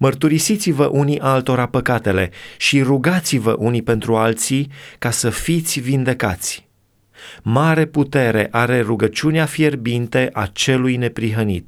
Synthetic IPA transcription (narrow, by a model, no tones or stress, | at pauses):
mərt̪uɾisit̪sivəʔuniʔalt̪o̞ɾapəkat̪e̞le̞ʃiɾuɡat̪sivə̰ʔunipe̞nt̪ɾualt̪sikasəfit̪sʲvind̪e̞ka̰t̪sʲ | maɾe̞put̪e̞ɾe̞̰ʔaɾe̞ɾuɡət͡ʃuneafjerbint̪e̞ʔat͡ʃe̞lujne̞pɾiɦənḭt̪̚